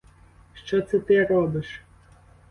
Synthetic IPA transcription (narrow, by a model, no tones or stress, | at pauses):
ʃt͡ʃɔt̪sɛt̪ɪɾɔbɪʃ